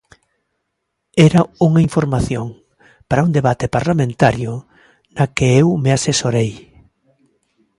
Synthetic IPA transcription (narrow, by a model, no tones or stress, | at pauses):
ɛɾauŋaiɱfoɾmaθjoŋ | paɾaund̪eβat̪epaɾlamẽnt̪aɾjʊ | nakeewmeasesoɾej